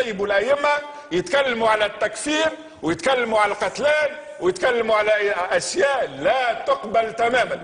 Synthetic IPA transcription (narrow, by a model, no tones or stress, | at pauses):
jːbulʔæʔɪmːa | jət̪kalːmuʕalæt̪ːækfiːɾ | wjət̪kalːmuʕalalqɑt̪læːn | wjət̪kalːmuʕalæʔæʃjæːʔlæːt̪ʊqbəlt̪æmæːman